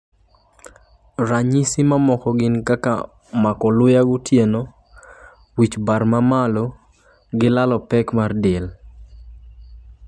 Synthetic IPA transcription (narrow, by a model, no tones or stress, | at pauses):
raɲisimamɔkɔɡɪnkaka̰ | makɔlʊjaɡʊtjeno | wit͡ʃbarmamalo | ɡɪlalɔpɛkmardel